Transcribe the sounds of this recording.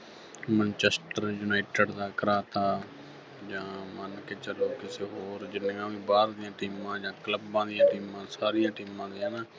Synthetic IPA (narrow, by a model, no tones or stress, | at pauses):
mənt͡ʃɛsʈəɾjʊnaːʈeɖd̪aːkəɾaːt̪aː | d͡ʒãːmənkeːt͡ʃəloːkɪseːɦoːɾd͡ʒɪnːãːʋĩːbaːɾd̪ɪjãːʈiːmãːd͡ʒãːkləbːãːd̪ɪjãːʈiːmãːsaːɾɪjãːʈiːmãːd̪ijãːnaː